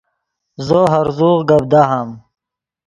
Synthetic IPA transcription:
zoɦɐɾzuːʁɡɐb̚d̪aɦam

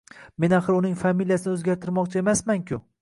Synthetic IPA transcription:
me̞naχɨɾʊnɪŋfamilijasɪnɪɵzɡʲaɾt̪ʰɪɾmɒqt͡ʃʰae̞masmaŋkʲʰʊ

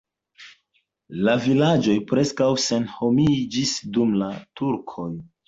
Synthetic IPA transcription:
lavilad͡ʒo̞jpɾe̞skawse̞nho̞mid͡ʒisdumlatuɾkʰo̞j

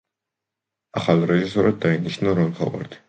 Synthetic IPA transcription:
aχalɾɛʒis̬ɔɾad̪̚ːainiʃnaɾɔnχʰa̰va̰ɾt̪ʰi̥

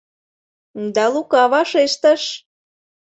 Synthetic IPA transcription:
d̪ɑlukɑβɑʃeʃt̪əʃ

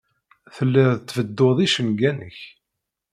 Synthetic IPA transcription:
θəlːəððt̪ːvəd̪ːoðˤiʃənɡænə̰ç

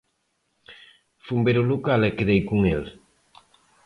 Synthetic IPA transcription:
fumbeɾulukalɛkeðejkuŋel

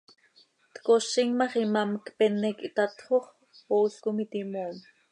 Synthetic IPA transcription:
t̪koʃiŋmɑχimɑmkpɛnːɛkit̪ɑt̪χoχ | oɬkumit̪imoːm

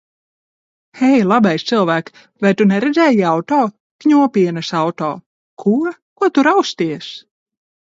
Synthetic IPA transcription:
ɛjlˠabɛjst̪sɨlˠvæːk | vajt̪unɛɾɛd̪zɛjiawt̪ɔː | kɲuɔpʲiɛnɐsawt̪ɔ̰ː | kʰuɔkuɔt̪uɾawst̪iɛs

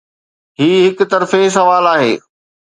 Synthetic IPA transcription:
ɦiːɦɪkt̪ɐɾfes̬ɐʋaːlaːɦḛː

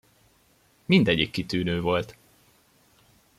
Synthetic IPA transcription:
mind̪ɛɟikːit̪yːnøːvo̞lt̪

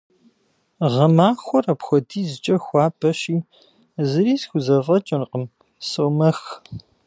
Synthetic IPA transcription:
ʁɐmaːxʷɔrɐpxʷɔdʰiːzɨt͡ʃʼɐxʷɑːpʰʼɐɕiː | zɨɾiːsxʷʊzɐvɐt͡ʃʼɐnqəm | sowmɐx

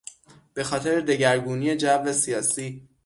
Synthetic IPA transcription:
b̥e̞xɒːt̪ʰe̞ɾed̪e̞ɟæɾɡuːnije̞d͡ʒævesijɒːsiː

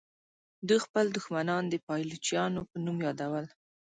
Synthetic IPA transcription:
d̪uxpəld̪ʊxmanɑnd̪əpɑjlot͡ʃjɑnopənumjɑd̪awəl

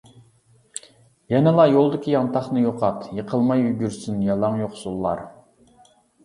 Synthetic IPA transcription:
jɛnɪlˠɑjolˠd̪ɪkʲʰijɑnt̪ʰɑχnɨjoqʰɑt̪jəqʰəlˠmɑjyɡʲyɾsynjɑlˠɑŋjoqsulˠːɑ̰ɾ

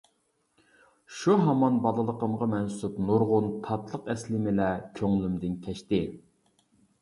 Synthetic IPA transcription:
ʃuɦɑmɑnbɑlˠɨlˠəqəmʁɑmɛnsupnuɾʁʊnt̪ʰɑt̪lˠəqɛslɪmɪlɛkʲʰøŋlymd̪ɪnkʲʰɛʃt̪ɪ

